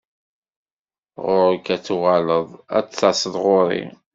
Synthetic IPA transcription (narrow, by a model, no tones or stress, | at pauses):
ʁʊɾəkæt͡sːuʁaləðˤæ̰t͡sːt͡sːasˤəðʁʊɾḭ